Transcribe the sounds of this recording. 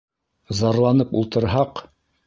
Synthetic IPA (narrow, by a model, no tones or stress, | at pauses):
zɑɾlˠɑnɤpṵlˠt̪ɤ̆ɾɦɑq